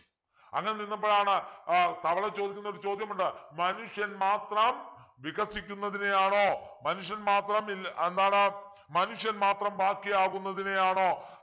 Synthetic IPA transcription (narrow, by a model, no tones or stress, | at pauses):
ɐ̰ŋːɐneninːumbo̞ːɭaːɳɨt̪ɐʋɐɭɐt͡ɕːo̞ːd̪ikʲːunːoɾut͡ɕo̞ːd̪ʱjɐmuɳɖɨmɐnuʂjɐnmaːt̪rɐmʋiɣɐsikʲːunːɐðinejaːɳo̞ːmɐnuʂjɐnmaːt̪rɐmilend̪aːɳe | mɐnuʂjɐnmaːt̪rɐmbaːkːijaːɣunːɐðinejaːɳo̞ː